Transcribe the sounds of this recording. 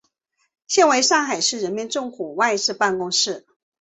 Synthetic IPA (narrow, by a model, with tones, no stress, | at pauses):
ɕjɛ˥˩nwe˧˥ɪʂɑ˥˩ŋxa˨˩ɪʂɻ̩˥˩ɻə˧˥nmɛ˧˥nʈ͡ʂʊ˥˩ŋkʰu˨˩wa˥˧ɪʂɻ̩˥˧pa˥˩nkʊ˥ŋʂɻ̩˥˩